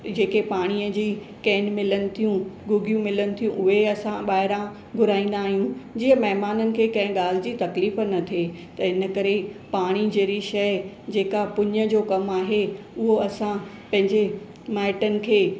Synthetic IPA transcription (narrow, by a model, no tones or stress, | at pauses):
d͡ʑeːkepaːɽ̃iːəd͡ʑiː | kɛːnmɪlənɪ̆t̪ʰijũɡʊɡijũmɪlənɪ̆t̪ʰijũʔʊɦeɐsãɓaːɦɪɾã | ɡʱʊɾaːĩːn̆d̪aːɦijũd͡ʑiːəmɐɦmaːnənɪ̆kʰeːkɐ̃ɦɪ̃ɠaːl̤ɪd͡ʑiːt̪ɐkliːfnɐt̪ʰiet̪ɐɪnə̆kɐɾepaːɽ̃id͡ʑeːɾiʃɐj | d͡ʑeːkapʊɲə̆d͡ʑoːkɐmaːɦe | ʊɦoɐsã | pɐ̃ɦɪ̃ɲd͡ʑe | maːɪʈənɪ̆kʰeː